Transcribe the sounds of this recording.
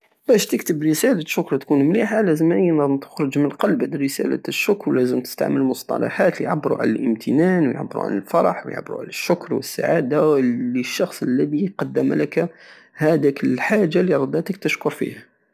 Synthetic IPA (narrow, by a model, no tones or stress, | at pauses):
bæʃt̪əkt̪əbɾəsælaʃːʊkɾˤt̪kunmliħalæzəmæʔəjnæmt̪ə̥xɾʊʒmənqɑlbʕad̪ɾəsæ̰la̰ʃːʊkɾlæzəmt̪ə̥st̪a̰ʕməlmʊsˤt̪ˤɑ̰lɑ̰ħat̪lijʕabːɾṵʕa̰lælʔəmt̪ʰənænwjʕa̰bːɾṵʕa̰ləlfɑɾˤɑħwjʕa̰bːɾṵʕa̰læʃːʊkɾˤwə̰sːa̰ʕad̪aiʃːɑxsˤəlːæd̪iqɑd̪ːəmlək | hæd̪ækəlħaʒːalːiɾˤɑd̪ːæt̪ək̚t̪əʃkʊɾˤfḭhæ